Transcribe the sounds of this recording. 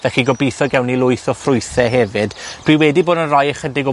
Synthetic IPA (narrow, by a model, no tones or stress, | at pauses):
vɛxiɡɔbijθɔɡɛwnilˠʊjθɔfrʊɨθɛɦɛvɨd̥d̥wiwɛdiboːdənrajəχədɪɡɔ